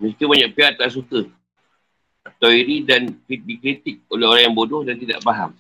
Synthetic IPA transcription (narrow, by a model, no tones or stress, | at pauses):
məskəbaɲaʔpiat̪̚laʔs̬ukə | at̪awiɾidankit̪̚bikɾit̪ɪk̚oleɦoɾaŋjaŋbodʊhdant̪ida̰ʔbaɦam